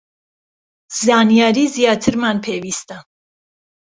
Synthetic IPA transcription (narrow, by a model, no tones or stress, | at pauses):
zanijaɾizijat̪ʰəɾmanpʰɛvist̪a